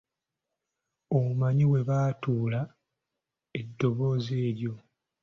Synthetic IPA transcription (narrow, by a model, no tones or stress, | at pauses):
oumaɲiwe̞βaːtuːla | e̞dːo̞βo̞ːze̞ːɾjo̞